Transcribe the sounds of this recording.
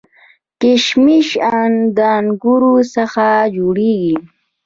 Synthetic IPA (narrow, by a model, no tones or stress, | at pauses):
kɪʃmɪʃand̪anɡuɾusaxad͡ʒoɽeɡi